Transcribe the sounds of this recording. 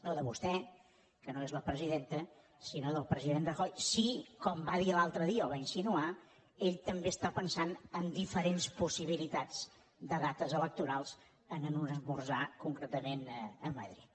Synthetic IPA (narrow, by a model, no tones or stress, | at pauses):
noðəβust̪ɛ | kənoezləpɾəziðent̪ə | sinoðəlˠpɾəziðenrəxɔjsikɔmbaðiəlalˠt̪ɾəðiəɔβainsinua | eʎt̪əmbeəst̪apənsanəmd̪ifəɾenspusiβ̞ilit̪ad͡z | d̪əðat̪əzələk̚t̪uɾalˠz̥ | ənənunəzβurzakuŋkɾet̪əmenəmə̰ðɾit̪